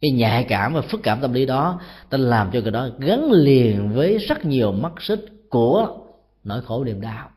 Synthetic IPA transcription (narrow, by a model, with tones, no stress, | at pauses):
kaː˨˦jɲaː˧˨˩jkaː˧˩mvaː˨˩fɨ˦˥k̚kːaː˧˩mt̪ə˧mli˨˦ɗɔ˨˦t̪aː˧laː˨˩mt͡ɕɔ˧ɣə˨˩ɗɔ˨˦ɣə˨˦nli˨˩ənvəː˨˦jzə˦˥t̚ɲi˨˩əwma˦˥k̚sɨ˦˥t̚ku˧˩ə | no̰˧˩˨jxo˧˩nḭ˧˩əmɗaː˧w